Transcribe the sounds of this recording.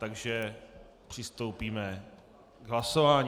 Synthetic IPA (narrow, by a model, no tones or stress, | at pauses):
t̪aɡʒɛ | pr̝̥ɪst̪owpiːmɛ | ɡɦlasovaːɲ